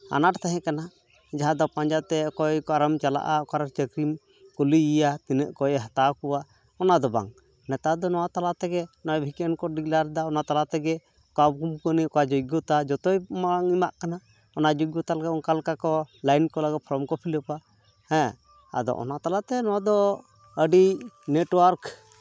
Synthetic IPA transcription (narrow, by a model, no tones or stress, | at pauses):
a̰naʈt̪ɛɦɛ̃kana | d͡ʒaɦãd̪ɔpãɲd͡ʒat̪ɛkɔjkaɾəmt͡ʃala̰ʔaɔkaɾat͡ʃəkɾim | kuliijat̪inəʔkɔjɦat̪akuwa | ɔnad̪ɔba̰ŋ | nɛt̪ad̪ɔnɔwat̪alat̪ɛɡɛnɔbʱikənkɔɖiklaɾd̪aɔnat̪alat̪ɛɡɛ | kabkumkənikad͡ʒɔɡɔt̪ad͡ʒɔt̪ɔjmaŋimaʔkana | ɔnad͡ʒɔɡɔt̪alɡɛɔŋkalkakɔlajnkɔlaɡɛt̪̚pʰɔɾɔmkɔpʰiləpa | hɛ̃ | a̰d̪ɔ̰ʔɔ̰nat̪alat̪ɛnɔwad̪ɔ | əɖineʈwaɾk